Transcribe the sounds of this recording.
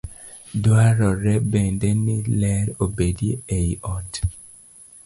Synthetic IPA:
dwaɾɔɾɛbɛndɛnɪlɛɾobedieejɔt

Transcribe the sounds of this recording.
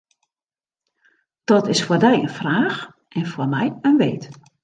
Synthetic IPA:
d̥ɔtɪsfoːrdɛjə̰nfraːx | ʔɛnfoːrmɛjənʋeːt

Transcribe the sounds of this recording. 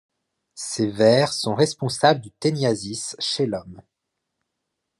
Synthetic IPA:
sevɛʁsɔ̃ʁɛspɔ̃sabləd̪yt̪ɛnjazisʃelɔm

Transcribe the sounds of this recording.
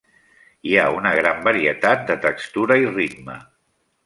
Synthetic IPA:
iaunəɣɾambəɾiət̪at̪̚d̪ət̪əkst̪uɾəirit̪mə

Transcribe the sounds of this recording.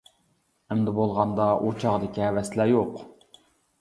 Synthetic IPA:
ɛmd̪ɪbolˠʁɑnd̪ɑʔut͡ʃʰɑʁd̪ɪkʲiɛvɛslæjoq

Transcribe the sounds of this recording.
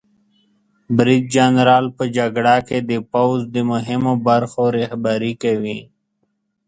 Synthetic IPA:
bɾid̪̚d͡ʒanɾaːlpəd͡ʒaɡɽaked̪əpawzd̪əmʊɦɪmobaɾxoɾehbaɾikəwĩ

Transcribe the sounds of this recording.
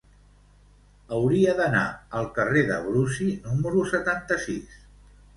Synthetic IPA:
əwɾiəðəna̰əlˠkəreðə̰βɾusinuməɾusət̪ant̪əsis

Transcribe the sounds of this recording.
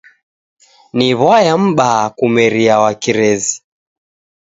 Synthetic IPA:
niβwajam̩ɓakumɛɾiawakiɾɛzi

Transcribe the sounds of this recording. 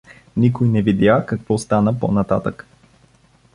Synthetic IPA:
nikojnɛvid̪jakɐkvɔst̪anəpo̰nɐt̪at̪ək

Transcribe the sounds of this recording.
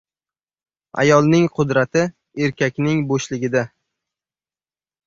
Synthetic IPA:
a̰jɒlˠnɪŋqʰʊd̪ɾat̪ʰɪ | e̞ɾkʲakʲnɪŋboʃlɪɡʲɪd̪a

